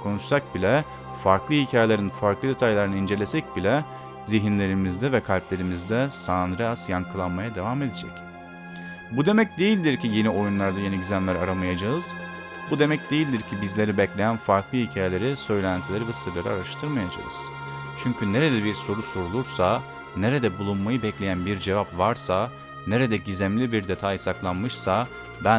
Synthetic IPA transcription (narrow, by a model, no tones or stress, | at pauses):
kʰo̞nuʃsak̚bilʲɛ | faɾklˠɯhicʰaːjelʲeɾinfaɾklˠɯd̪e̞t̪ʰajlˠaɾɯnaind͡ʒe̞lʲesɛc̚bilʲɛ | ziɦinlʲe̞ɾimizd̪ɛvɛkʰalʲplʲe̞ɾimizd̪ɛsaːnɾɛasjaŋkʰɯlˠanmajad̪e̞vame̞d̪ed͡ʒɛ̰c | bud̪e̞mɛc̚d̪e̞jilʲd̪iɾcije̞nio̞junlˠaɾd̪aje̞niɟizænlʲæɾaɾamajad͡ʒaɯz̥ | bud̪e̞mɛc̚d̪e̞jilʲd̪iɾcʰibizlʲe̞ɾibɛclʲe̞jænfaɾklˠɯhicʰaːjelʲe̞ɾisø̞jlʲænt̪ʰilʲeɾivɛsi̥t̪ʰelʲeɾiaɾaʃt̪ʰɯɾmajad͡ʒa̰ɯ̰z̥ | t͡ʃʰyɲcʰyne̞ɾed̪ɛbiɾso̞ɾuso̞ɾulˠuɾsa | ne̞ɾed̪ɛbulˠunmajɯbɛclʲe̞jænbiɾd͡ʒe̞vapvaɾsa | ne̞ɾed̪ɛɟizæmlʲibiɾd̪e̞t̪ʰajisaklˠanmɯʃsa | bæ